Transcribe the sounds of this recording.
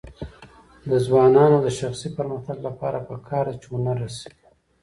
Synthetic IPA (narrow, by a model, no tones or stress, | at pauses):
d̪əzwɑnɑnoad̪əʃaxsipəɾməxt̪aɡlapɑɾapəkʰɑːɾd̪at͡ʃewonaɾasewi